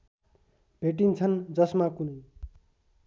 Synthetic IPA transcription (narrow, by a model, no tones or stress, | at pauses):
b̥ʱeʈ̬int͡sʰʌnd͡zʌsmakunʌj